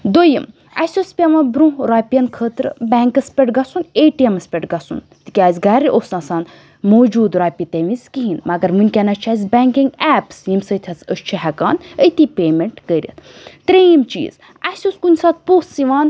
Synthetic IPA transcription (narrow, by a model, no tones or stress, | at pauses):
d̪ojəm | ɐ̰sʲospʲeʋɐ̃bɾũɾaːpʲjɐnkʰəːt̪ɾbɛːŋkɐspʲeʈɡɐsuneːʈiɐmɐspʲeʈɡɐsṵn | t̪i̥kʲaːzʲɡaɾiʔoːsnasaːn | moːd͡ʒuːd̪ɾaːpʲit̪eʋizkiɦinmɐɡɐɾmɨnʲkʲɐnɐt͡ʃʰazʲbʲɛːŋkiŋɡaːpsjimsət̪ʲʰɐsəst͡ʃʰiɦɛka̰ːnət̪ʰipʲeːmeɳʈɡəɾʲɐ̰t̪t̪ɾejimt͡ʃḭːz̥ | asʲoskunʲsat̪̚puːssiʋaːn